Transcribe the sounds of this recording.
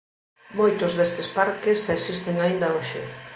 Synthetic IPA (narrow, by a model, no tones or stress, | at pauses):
mojt̪ʊzðest̪espaɾkesesist̪eŋaind̪ɐoʃɪ̰